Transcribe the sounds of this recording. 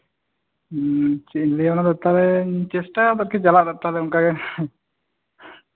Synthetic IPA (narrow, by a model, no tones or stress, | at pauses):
t͡ʃinliɔnad̪ɛt̪alɛt͡ʃɛsʈaat̪aɾkɛt͡ʃalaʔd̪ɛt̪alɛʊŋkaɡɛ